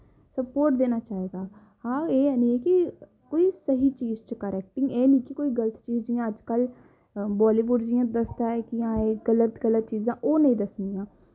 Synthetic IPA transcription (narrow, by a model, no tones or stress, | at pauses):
səpoːɾʈd̪eːnaːt͡ʃaːɦeːɡaː | hãːeːɛːniːɛːki | koːiːsəɦiːt͡ʃiːzt͡ʃkəɾɛːk̚ʈɪ̃ŋɡeːnĩːkikoːiːɡələt̪t͡ʃiːd͡ʒɪjãːəd͡ʒkəl | bɔːliːʋʊɖd͡ʒɪjãːd̪əst̪aːɛkɪjãːeːɡələt̪ɡələt̪t͡ʃiːzãːʔoːnəĩːd̪əsnd̪ijãː